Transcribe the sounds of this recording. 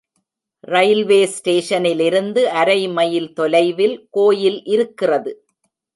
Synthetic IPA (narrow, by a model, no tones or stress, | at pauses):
rɐɪlʋeːsʈeːʂɐnɪlɪɾɯnd̪ɯʔɐɾɐɪmɐjɪlt̪ɔlɐɪʋɪlkoːjɪlʔɪɾɯkːɪrɐðɯ